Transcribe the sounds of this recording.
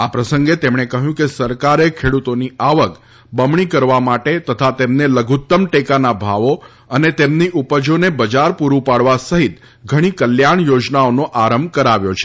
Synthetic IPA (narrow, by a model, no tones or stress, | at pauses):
apɾəsəŋɡet̪emɳ̃ekəɦjũkesəɾkaɾekʰeɽut̪oniaʋək | bəmɳikəɾʋamaʈet̪ət̪ʰat̪emneləɡʱut̪ːəmʈekanabʱaʋo | ənet̪emniʔupəd͡ʒonebəd͡ʒaɾpuɾũpaɽʋasəɦit̪ | ɡʱəɽ̃ikəljaɳ̃jod͡ʒnaonoʔaɾəmbkəɾaʋjot͡ʃʰe̥